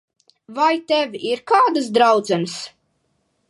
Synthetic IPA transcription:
vajt̪ɛvʲiɾkaːd̪ɨsd̪ɾawd̪zɛnɨs

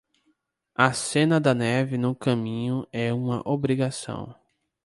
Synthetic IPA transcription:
ɐsẽnɐd̪ɐnɛvɪnʊkɐ̃mĩɲʊɛũmɐ̰ʔobɾiɡasɐ̰̃w̃

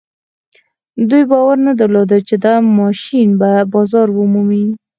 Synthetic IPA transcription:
d̪ujbɑwaɾnad̪əɾlod̪ət͡ʃed̪əmɑʃinbabɑzɑɾwəmumi

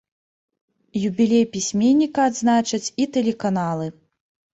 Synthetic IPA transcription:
jubʲilʲejpʲisʲmʲenʲːikɐːd̪znat͡ʂɐt͡sʲit̪ɛlʲɛkan̪alˠɨ

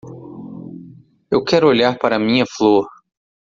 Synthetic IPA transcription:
ewkɛɾʊoʎaɾpaɾɐmĩɲɐfloɾ

